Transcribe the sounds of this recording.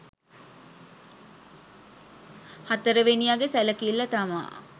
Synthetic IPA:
hat̪əɾəʋenijaɡesæləkilːɐt̪ama̰ː

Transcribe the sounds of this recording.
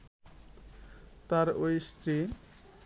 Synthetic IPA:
t̪aɾojst̪ɾi

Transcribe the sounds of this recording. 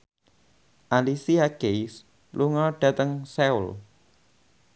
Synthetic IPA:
ʔalisiaɡ̥ejs | luŋɔɖ̥ä̤t̪əŋsɛṵl

